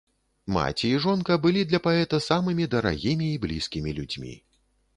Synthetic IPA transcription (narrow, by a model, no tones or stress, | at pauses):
ma̰t͡sʲiːʐɔnkɐbɨlʲid̪lʲɐpaɛt̪ɐsamɨmʲid̪ɐɾa̰ɣʲimʲiːblʲiskʲimʲilʲud͡zʲmʲḭ